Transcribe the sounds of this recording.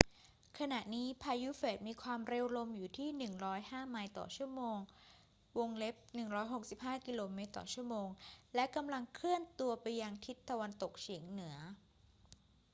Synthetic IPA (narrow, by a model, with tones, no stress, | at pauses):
kʰa˧na˨˩ʔniː˦˥pʰaː˧ju˦˥feː˨˩t̪̚miː˧kʰwaː˧mɾe˧wlo˧mjuː˨˩t̪ʰiː˥˩nɯ˨˩ŋɾɔː˦˥jhaː˥˩ma˧jt̪ɔ̰ː˨˩t͡ɕʰu˥˩əmoː˧ŋ | wo˧ŋle˦˥p̚nɯ˨˩ŋɾɔː˦˥jɦo˨˩k̚si˨˩p̚ɦaː˥˩ki˧loː˧meː˦˥t̪ːɔ̰˨˩t͡ɕʰu˥˩ɐmoː˧ŋlɛ˦˥ka˧mla˧ŋkʰlɯ˥˩ənt̪u˧ɐpa˧jːa˧ŋt̪ʰi˦˥t̪ːa˧wa˧nt̪o˨˩k̚t͡ɕʰi˩˦əŋnɯ˩˦ɐ